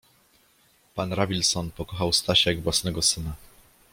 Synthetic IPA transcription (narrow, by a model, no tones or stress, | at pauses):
panɾavʲilsɔnpɔkɔxawst̪aɕɛɡvwasnɛɡɔsɘna